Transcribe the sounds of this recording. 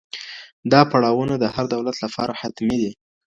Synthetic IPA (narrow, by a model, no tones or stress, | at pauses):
d̪ɑpaɽɑwənad̪əhaɾd̪awlat̪lapɑɾahat̪mid̪i